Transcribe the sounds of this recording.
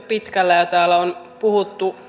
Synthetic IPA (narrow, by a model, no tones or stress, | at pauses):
pit̪kælːæjot̪æːlːæon | puhut̪ːu